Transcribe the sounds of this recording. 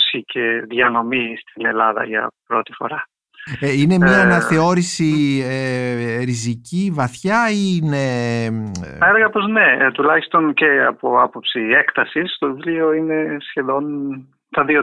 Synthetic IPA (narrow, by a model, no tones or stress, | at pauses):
sicʰe̞ðʝɐno̞mist̪ine̞lɐðɐ̰ʝɐ̰pɾo̞t̪i̥fo̞̰ɾɐ | ine̞mɲɐːnɐθe̞o̞ɾisieɾizicivɐθçɐine | eleɣɐpo̞znet̪ulɐçist̪o̞nce̞ɐ̰po̞ɐpo̞psiekt̪ɐsist̪oðlio̞ine̞sçe̞ðo̞n | t̪ɐðio